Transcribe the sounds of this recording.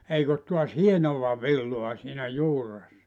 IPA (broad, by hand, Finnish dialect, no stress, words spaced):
eik ot tuɑs hienoʋɑ ʋilːoɑ siːnæ juːresːɑ